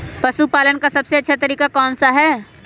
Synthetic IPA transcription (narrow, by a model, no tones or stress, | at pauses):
pɐʃupaːlənkasɐbseɐtːʃʰat̪ɐɾiːkakɔːnsaɦɛː